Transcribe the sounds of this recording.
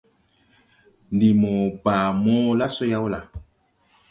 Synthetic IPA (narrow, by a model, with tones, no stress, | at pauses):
n˨di˨mo˨pa˨mɔ˦la˦so˦ja˦wu˦la˨